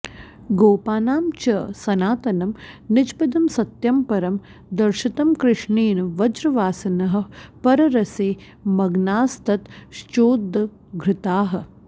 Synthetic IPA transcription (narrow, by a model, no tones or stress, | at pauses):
ɡoːpaːnaːmt͡ʃɐsɐnaːt̪ɐnɐmnɪt͡ʃpɐd̪ɐmsɐt̪jɐmpɐɾɐm | d̪ɐɾʃɪt̪ɐmkɾɪʂɳiːnɐʋɐd͡ʒɾɐʋaːsɐnɐɦɐ̆pɐɾɐɾɐseː | mɐɡnaːst̪ɐt̪ʃt͡ʃoːd̪ʱːɐ | ɡʱɾɪt̪aːɦɐ̆